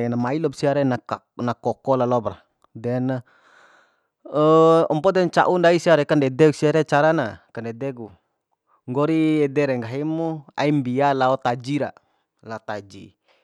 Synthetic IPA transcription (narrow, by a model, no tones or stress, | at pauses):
namailɔbsiaɾɛna | nakɔkɔlalɔbra̰ | dɛna | əɔmpɔdɛnt͡ʃa̰ʔundaisiaɾɛkandɛdɛksiaɾɛt͡ʃaɾanakandɛdɛɡu | ŋɡɔɾiɛdɛɾɛŋɡaɦimua̰imbialaɔt̪ad͡ʒiɾa̰ | laot̪ad͡ʒi